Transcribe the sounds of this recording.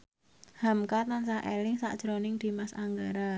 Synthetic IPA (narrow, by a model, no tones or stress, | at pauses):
hamkat̪ansahʔḛlɪŋsa̰ʔd̥ʒ̥ɾonɪŋd̪̥i̤masa̰ŋɡaɾa